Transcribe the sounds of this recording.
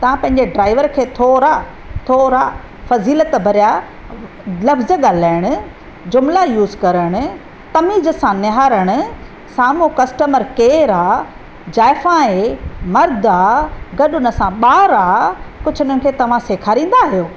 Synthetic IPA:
t̪ɐʋ̤ãpɐ̃ɦɪ̃ɲd͡ʑeɖɾaːɪʋəɾkʰeːt̪ʰoːɾa | t̪ʰoːɾa | fɐziːlət̪bʱɐɾija | lɐfzəɠaːlaːɪɽ̃ʊ̆ | d͡ʑʊmlajuːzkɐɾəɽ̃ʊ̆ | t̪ɐmiːzəsãnɪɦaːɾəɽ̃ʊ̆ | saːmukɐsʈəməɾkeːɾaː | d͡ʑaːɪfãːemɐɾd̪aɡɐɗʊnə̆sãɓaːɾakʊt͡ɕʰʊnənɪ̆kʰeːt̪ɐʋ̤ãseːkʰaːɾĩːn̆d̪aɦijoː

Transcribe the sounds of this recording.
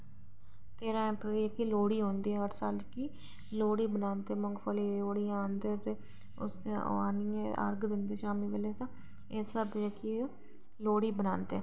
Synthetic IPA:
t̪eːɾãːɛ̃ːpɾəɾiəkiːloːɽiːɦõːnd̪iːɛɦəʈʰsaːlt͡ʃkiː | loːɽiːbənãːnt̪eːməŋɡpʰəleːloːɽijãːənd̪əɾt̪eː | ʊ̰sḛaːniːẽə̰ɾɡd̪ɪnd̪eːʃaːmiːʋeleːt̪ãː | esəbeki | loːɽiːbənaːnt̪eː

